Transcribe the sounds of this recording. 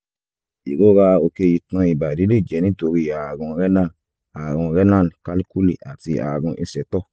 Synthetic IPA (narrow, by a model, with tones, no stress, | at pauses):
i˨ɡo˦βa˧o˧ke˧ji˧tɔ̃˧i˨ba˨di˨˦le˦˨d͡ʒɛ˨nĩ˦to˧˨ɾi˧˨a˨ɡɔ̃˧ɾɛ˦nã˦˨ | a˨ɡɔ̃˧ɾɛ˦nã˦˨n˨ka˦li˦ku˦li˨a˨ti˧a̰˨ɡɔ̃˧ʔi˧sɛ˨tɔ˦˨